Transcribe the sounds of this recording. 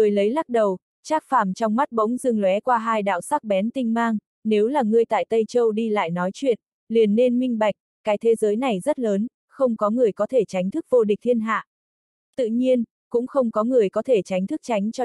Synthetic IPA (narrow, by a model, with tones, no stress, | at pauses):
ɨ˨˩əjlə˨˦jla˦˥t̚ɗə˨˩w | t͡ɕaː˦˥k̚faː˧˩mt͡ɕɔ˧wŋ͡mma˦˥t̚ɓə̰˧˥wŋ͡mzɨ˧ŋlwɛ˨˦kwaː˧ɦaː˧jɗa̰ː˧˨wsaː˦˥k̚ɓɛ˨˦nt̪ï˧ŋ̟maː˧ŋ | ne˨˦wlaː˨˩ŋɨ˧əjt̪a̰ː˧˨jt̪ə˧jt͡ɕə˧wɗi˧la̰ː˧˨jnɔ˨˦jt͡ɕwḭ˧˨ən̚ | li˨˩ənːe˧nmï˧ŋ̟ɓa˨˩jk̟̚kaː˨˦jt̪ʰe˨˦zəː˨˦jna˨˩jzə˦˥t̚ləː˨˦n | xə˧wŋ͡mkɔ˨˦ŋɨ˨˩əjkɔ˨˦t̪ʰe˧˩t͡ɕa˨˦jŋt̪ʰɨ˦˥k̚vo˧ɗi̟˨˩t̪ʰi˧ənɦa̰ː˧˨ʔ | t̪ɨ̰˧˨ɲi˧ən | kʊ̰˧˥ŋ͡mxə˧wŋ͡mkɔ˨˦ŋɨ˨˩əjkɔ˨˦t̪ʰe˧˩t͡ɕa˨˦jŋ̟t̪ʰɨ˦˥k̚t͡ɕa˨˦jŋ̟t͡ɕɔ˧